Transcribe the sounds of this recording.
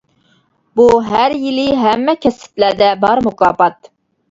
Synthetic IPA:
buɦæɾjiliɦæmːɛkʲʰɛsɪ̥t̪læɾd̪ɛbɑɾmukɑːpɑt̪̚

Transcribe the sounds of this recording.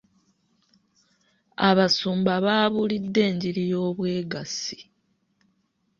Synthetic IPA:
aβasuːmbaβaːβulidːe̞ːɲɟiɾijo̞ːβwe̞ːɡasi̥

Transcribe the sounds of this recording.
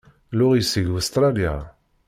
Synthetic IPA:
lʊʁisiɡust̪ɾˤalja̰

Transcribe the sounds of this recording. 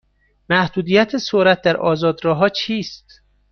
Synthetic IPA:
mæhd̪uːd̪iːjæt̪ʰesoɾæt̪̚d̪æɾʔɒːzɒːd̪ɾɒːɦɒːt͡ʃʰiːst̪̚

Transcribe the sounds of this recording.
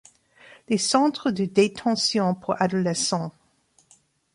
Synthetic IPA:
lesɑ̃t̪χəd̪əd̪et̪ʰɑ̃sjɔ̃pʰuʁad̪ɔlɛsɑ̃

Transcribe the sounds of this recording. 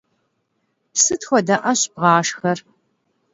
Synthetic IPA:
psɨtxʷɔdɐʔɐɕbʁɑːʂxɐr

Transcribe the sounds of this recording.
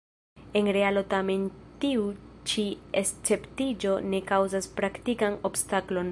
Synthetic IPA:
e̞nɾe̞alo̞tame̞ntiut͡ʃiest͡se̞ptid͡ʒo̞ne̞kawzaspɾaktikano̞bstaklo̞n

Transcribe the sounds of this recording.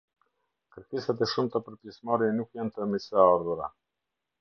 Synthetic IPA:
kəɾkisat̪̬ɛʃumt̪apəɾpjɛsmaɾɛnukjant̪əmisaaɾðuɾa̰

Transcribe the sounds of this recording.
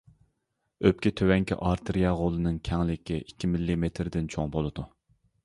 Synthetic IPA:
øp̚kʲit̪ʰøwɛŋkʲʰḭʔɑɾt̪ʰɨɾijɑʁolˠɨnɨŋkʲʰɛŋlɪkʲʰiʔikʲːimilːimet̪ʰɾd̪ɪnt͡ʃʰoŋbolˠɨd̪u

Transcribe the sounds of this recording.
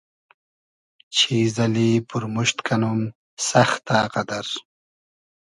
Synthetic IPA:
t͡ɕʰizɐlipuɾmuʃt̪kɐnum | sɐxt̪aqad̪ɐɾ

